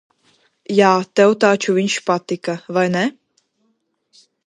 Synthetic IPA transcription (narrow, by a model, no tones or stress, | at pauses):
jaːt̪ɛwt̪aːt͡ʃuvinʲʃpat̪ɪkavajnɛ